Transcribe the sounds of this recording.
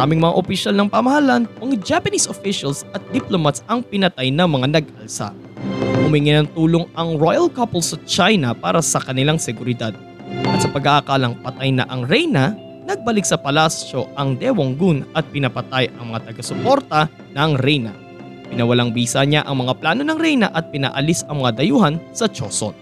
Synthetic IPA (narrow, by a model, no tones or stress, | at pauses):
ʔaːmɪŋmɐŋa̰ʔopɪʃalnɐŋpɐmɐhɐlanɐŋd͡ʒapɐnisofɪʃɐlsɐt̪̚d̪ɪplomɐt̪sɐŋpɪnɐt̪ajnɐŋmɐŋanɐɡ̚ʔɐlsa̰ | hʊmiŋɪnɐnt̪uːloŋɐŋɹojɐlkɐpolsɐt͡ʃajnɐpa̰ːɾɐsɐkɐnɪlaŋsɛɡʊɾɪd̪ad̪̥̚ | ʔɐt̪sɐpɐɡaʔakaːlɐŋpɐt̪ajnɐ̰ʔɐŋɾɛjnɐ | nɐɡ̚bɐlɪk̚sɐpɐlast͡ʃo̞ʔɐŋd̪ɛwoŋɡunɐt̪̚pɪnɐpɐt̪ajʔɐ̰ŋmɐŋat̪ɐɡɐsopo̞ɾt̪ɐ | nɐŋɾɛjnɐ | pɪnɐwɐlaŋbiːsɐɲaʔɐŋmɐŋaplaːno̞nɐŋɾɛjnɐ̰ʔɐt̪̚pɪna̰ːʔɐlisɐŋmɐŋad̪ɐjuhɐnsɐt͡ʃoso̰n